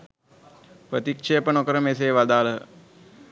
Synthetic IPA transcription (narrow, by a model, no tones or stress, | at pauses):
pɾət̪ikʂejəpənokəɾəmes̬eːʋad̪aːlə